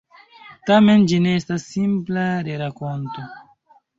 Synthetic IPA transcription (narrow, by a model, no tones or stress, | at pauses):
tame̞nd͡ʒineestasːimplaɾeɾako̞nto̞